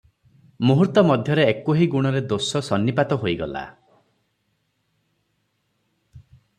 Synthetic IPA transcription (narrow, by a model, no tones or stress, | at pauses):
muɦuɾt̪ɔmɔd̪ʱjɔɾeːkoɦiɡuɽ̃ɔɾed̪osɔsɔnːipat̪ɔɦojɡɔ̰la̰